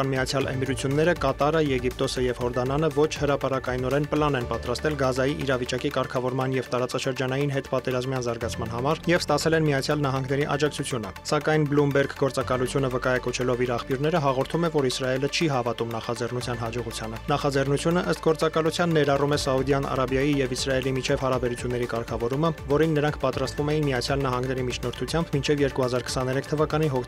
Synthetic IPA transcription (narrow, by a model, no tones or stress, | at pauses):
ɑnmiɑt͡sʰjɑlʔə̰miɾut͡sʰjunːɛɾəkɑt̪ɑɾəjɛɡip̚t̪ɔsəjɛvhɔɾd̪ɑnɑnəvɔt͡ʃʰhəɾɑpɑɾɑkɑjnɔɾɛnpəlɑnɛnpɑt̪ɾɑst̪ɛlɡɑzɑjiʔiɾɑvit͡ʃɑkikɑɾkʰɑvɔɾmɑnjɛvt̪ɑɾɑt͡sɑʃəɾd͡ʒɑnɑjinɦɛt̪pɑt̪ɛɾɑzmjɑnzɑɾɡɑt͡sʰmɑnɦɑmɑɾjɛvst̪ɑt͡sʰɛlɛnmiɑt͡sʰjɑlnɑɦɑŋɡnɛɾiʔɑ̰d͡ʒɑk̚t͡sʰut͡sʰjunə̰sɑkɑjnblumbɛɾɡɡɔɾt͡sɑkɑlut͡sʰjunəvəkɑjɑkɔt͡ʃʰɛlɔviɾɑχpjuɾnɛɾəɦɑʁɔɾt̪ʰumɛvɔɾisɾɑjɛlət͡ʃʰiɦɑvɑt̪umnɑχɑd͡zɛrnut͡sʰjɑnɦɑd͡ʒɔʁut͡sʰjɑnənɑχɑd͡zɛrnut͡sʰjunəʔəst̪ɡɔɾt͡sɑkɑlut͡sʰjɑnːɛɾɑrumɛsɑud̪jɑnɑ̰ɾɑbjɑjijɛvisɾɑɛlimit͡ʃʰɛvhɑɾɑbɛɾut͡sʰjun̪ːɛɾikɑɾkʰɑvɔɾuməvɔɾinːəɾɑŋkʰpɑt̪ɾɑst̪vumɛjinmiɑt͡sʰjɑlnɑɦɑŋɡnɛɾimit͡ʃʰnɔɾt̪ʰut͡sʰjɑmbmint͡ʃʰɛvjɛɾkuhɑzɑɾkʰə̥sɑnɛɾɛkʰt̪ʰəvɑkɑniɦɔk̪ʰ